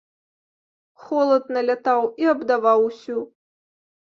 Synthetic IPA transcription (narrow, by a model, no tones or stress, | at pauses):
xɔlˠɐd̪̚nɐlʲat̪awiɐbd̪avawsʲu